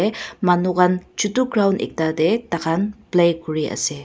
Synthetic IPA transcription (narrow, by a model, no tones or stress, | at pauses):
emanuɡant͡ʃutuɡɾawnɛ̰k̚tadetakʰanplejkuɾiə̰se